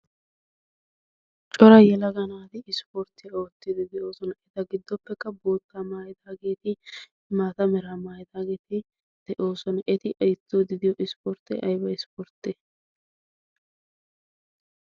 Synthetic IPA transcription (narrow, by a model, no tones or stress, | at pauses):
t͡ʃʼɔɾɐjɛlɐɡɐnaːt̪ɪɪspɔɾt̪ːɪɐo̞ːt̪ːɪd̪ɪd̪ɛʔo̞ːsɔnɐʔɛt̪ɐɡɪd̪ːɔpːɛkːɐbo̞ːt̪ːamaːjɪd̪aːɡe̞ːt̪ɪ | maːt̪ɐmɛɾamaːjɪd̪aːɡe̞ːt̪ɪ | d̪̥ɛʔo̞ːsɔnɐʔɛt̪ɪʔɐjt̪ːoːd̪ɪd̪ɪjɔʔɪspɔɾt̪ːɛ̰ʔɐjbɐɪspɔɾt̪ːɛ